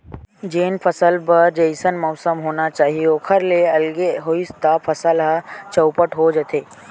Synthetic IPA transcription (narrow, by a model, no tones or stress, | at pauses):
d͡ʒeːnpʰəsəlpɐɾd͡ʒɐɪsənmɔʊsəmɦoːnat͡ʃaːɦiokʰəɾleɐlɡeɦoɪst̪apʰɐsəlɦat͡ʃəʊpəʈɦod͡ʒət̪ʰeː